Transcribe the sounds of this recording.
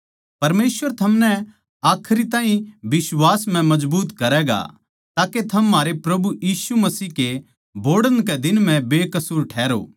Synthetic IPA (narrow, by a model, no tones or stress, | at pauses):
pɐɾmeːsʋəɾt̪ʰɐmnɛ | aːkʰɾit̪ãːɦĩbɪswaːsm̤ɛ̃mɐd͡ʒbuːt̪kɐɾɛːɡa̰ | t̪aːket̪ʰɐmːaːɾepɾɐbujiːsumɐsiːɦke | boːɽəñkɛd̪ɪnm̤ɛ̃beːkɐsuːɾʈʰɛːɾo̰ː